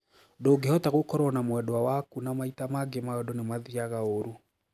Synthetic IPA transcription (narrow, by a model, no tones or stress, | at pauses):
doːɡeɔtaɣokɔɾɔnamwɛdɔawakunamaitamaɡemaɔdɔnemaðiaɣaoɾu